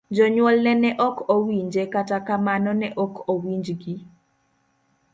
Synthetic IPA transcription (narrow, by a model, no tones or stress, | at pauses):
d͡ʒɔɲwɔlnɛnɛʔɔkowiɲd͡ʒekatakamanɔnɛʔɔkowiɲd͡ʒɡi